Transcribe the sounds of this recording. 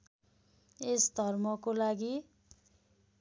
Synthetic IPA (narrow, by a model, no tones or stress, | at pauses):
esd̪ʱʌrmʌkolaɡi